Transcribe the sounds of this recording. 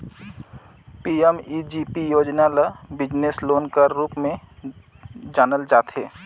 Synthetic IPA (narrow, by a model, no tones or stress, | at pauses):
piːemiːd͡ʒiːpijoːd͡ʒnaləbɪd͡ʒnesloːnkəɾːuːpmẽ | d͡ʒaːnəld͡ʒaːt̪ɦḛː